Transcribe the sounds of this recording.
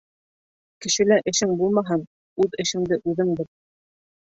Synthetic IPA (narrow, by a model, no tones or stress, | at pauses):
kɘ̆ʃɘ̆læʔɘ̆ʃɘŋbulˠmɑɦɤn | ʉðɘ̆ʃɘ̆ŋd̪ɘʔʉðɘŋb̪ɘɾ